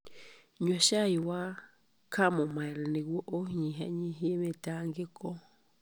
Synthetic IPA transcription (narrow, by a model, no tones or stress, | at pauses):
ɲoʃaiwa | kʰamomaɛɾɛneɣwoʔohɲiɦa̰ɲiɦemetaŋɡekɔ